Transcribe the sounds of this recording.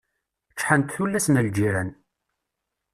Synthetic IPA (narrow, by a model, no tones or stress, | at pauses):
t͡ʃːħənt̪θulːæsnəld͡ʒiɾæn